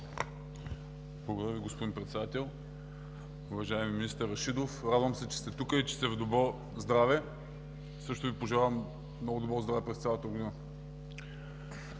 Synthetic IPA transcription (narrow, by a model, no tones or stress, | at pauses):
blˠɐɡod̪əɐɾəvʲiɡospod̪inpɾɛt̪sɛd̪at̪ɛlˠ | ʊvɐʒaɛmimːinist̪əɾɐʃid̪ofɾad̪vɐmsɛt͡ʃɛ̥st̪ɛt̪ukəit͡ʃɛ̥st̪ɛvd̪obɾɔ | zd̪ɾavɛ | sɤʃt̪ʊvipoʒɛlʲavɐm | mnɔɡʊd̪obɾɔzd̪ɾavɛpɾɛst̪sʲalˠət̪əɡod̪inə